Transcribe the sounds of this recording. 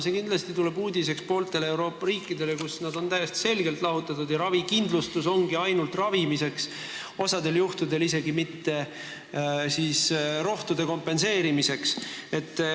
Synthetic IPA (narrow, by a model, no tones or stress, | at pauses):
se̞kind̪lɑst̪it̪ule̞buːd̪ʲis̬e̞kspo̞ːlt̪e̞leewɾo̞ːpːɑɾiːkˑːid̪e̞le̞kusnɑd̪o̞nt̪æjest̪i̥se̞lɡ̥elt̪ˑlɑɦut̪ːˑɑt̪ud̪̥jɑɾɑvikind̪lust̪uso̞ŋɡ̥iɑjnult̪rɑvimise̞ks | o̞sɑd̪e̞ljuht̪ud̪e̞lise̞ɡimit̪ːe̞ | siːsɾo̞ht̪ud̪̥e̞ko̞mpːˑe̞nse̞ːɾimise̞kse̞t̪ˑː